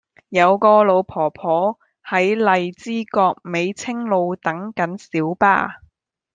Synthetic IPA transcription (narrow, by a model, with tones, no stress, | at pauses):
jɐ˨˧wkɔː˧lo˨˧wpʰɔː˨˩pʰɔː˨˥ | hɐ˨˥jlɐ˨jt͡siː˥kɔː˧k̚me˨˧jt͡sʰɪ˥ŋlo˨˧wt̪ɐ˨˥ŋkɐ˨˥nsiː˨˥wpa̰ː˧